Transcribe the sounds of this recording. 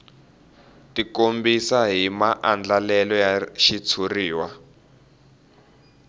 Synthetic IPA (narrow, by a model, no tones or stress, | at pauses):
tikombisaɦimaʔand͡ɮalɛlɔjaʃit͡sʰuriːwa